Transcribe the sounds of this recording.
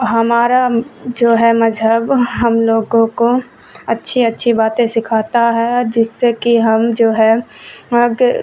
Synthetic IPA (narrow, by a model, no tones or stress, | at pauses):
ɦɐmaːɾad͡ʒoːɦɛmɐzɦəbɦɐmloːɡõko | ɐtːʃʰiɐtːʃʰibaːt̪ẽsɪkʰaːt̪aɦɛd͡ʒɪsːekiɦɐmd͡ʒoːɦɛəɡ